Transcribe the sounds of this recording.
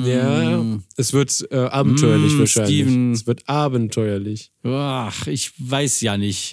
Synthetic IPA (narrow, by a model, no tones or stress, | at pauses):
jaːʔɛsv̥ɪɐtʔɛːʔaːbm̩tʰɔʏɐlɪçvvaːɐʃaɪnːlɪs̬v̥ɪɐtʔaːbən̩tʰɔʏɐlɪç | aχɪçv̥aɪsjaːnɪçt